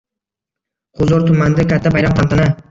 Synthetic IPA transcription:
qʰʊzɒɾt̪ʰʊmand̪akʲʰat̪ʰːabajɾamqʰant̪ʰana

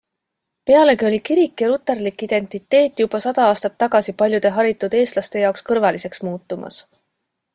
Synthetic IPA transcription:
pe̞ɑle̞kio̞lʲikiɾikːˑjɑɾut̪ːˑe̞rlikːid̪̥e̞nʲt̪ˑit̪ːe̞ːt̪ˑːjub̥ɑsɑd̪̥ɑɑːst̪ɑt̪ːɑɡ̥ɑsipɑlʲjud̪̥e̞ɦɑɾit̪ːˑud̪̥e̞ːst̪lɑst̪e̞jɑokskɤrvɑlise̞ksmuːt̪ːˑumɑ̰s

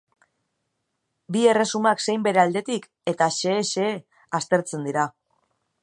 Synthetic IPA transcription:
bie̞re̞sumakse̞jmbe̞ɾeald̪e̞t̪ik | e̞t̪aʃe̞ːʃeː | ast̪e̞ɾt͡se̞nd̪iɾa

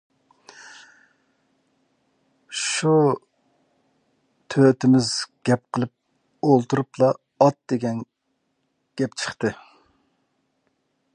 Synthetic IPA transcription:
ʃu | t̪ʰøt̪ɪmɪzɡʲɛp̚qʰəlˠɨp̚ | olˠt̪uɾuplˠɑː | t̪̚d̪eɡʲɛn | ɡ̥ʲɛpt͡ʃʰə̥χt̪ɨ

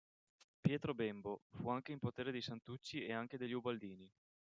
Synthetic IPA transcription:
pjɛːt̪ɾobembofuaŋk̟eimpot̪eːɾed̪ejsant̪ut͡ʃːieaŋk̟ed̪eʎːiubald̪iːni

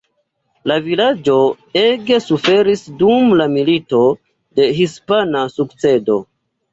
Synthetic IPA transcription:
lavilad͡ʒo̞ | e̞ɡesufe̞ɾisdumlamilito̞ | de̞ɦispanasukt͡se̞do̞̰

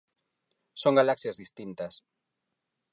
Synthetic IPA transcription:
soŋɡalaksiazðist̪int̪ɐs

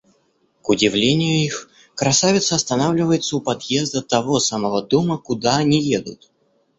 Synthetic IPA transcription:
kʊdʲɪvlʲenʲɪjʊix | kɾɐsavʲɪt̪səɐst̪ɐnavlʲɪvəjɪt̪səʊpɐd̪jezd̪ət̪ɐvo̞samɐvod̪oməkʊd̪aɐnʲijed̪ʊ̰t̪̚

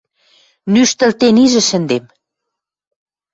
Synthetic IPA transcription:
nyʃt̪ɘ̆lt̪eniʒɘ̆ʃɘ̆nd̪em

